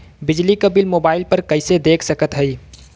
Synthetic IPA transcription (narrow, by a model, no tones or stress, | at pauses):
bɪd͡ʒlikəbɪlmoːbaːɪlpəɾkɐɪsed̪eːkʰsəkət̪ɦəi